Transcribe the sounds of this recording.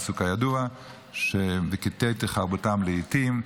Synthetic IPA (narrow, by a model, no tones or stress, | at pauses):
sukajadua | ʃeveket̪et̪eχaʁbotamleitim